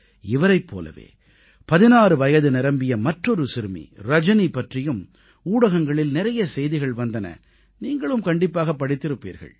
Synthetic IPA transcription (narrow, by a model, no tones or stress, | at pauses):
ɪʋɐɾɐɪpːo̰ːlɐ̰ʋḛː | pɐðɪnaːrɯʋɐjɐðɯnɪɾɐmbɪjɐmɐʈrɔɾɯsɪɾɯmḭɾɐd͡ʒɐnipːɐʈrɪjɯm | uːɽɐɣɐŋɡɐɭɪlnɪɾɐjɐsɛjðɪɣɐɭʋɐnd̪ɐnɐ̰ | niːŋɡɐɭɯmkɐɳɖɪpːaːɣɐpːɐɽɪt̪ːɪɾɯpːḭːɾɣɐ̰ɭ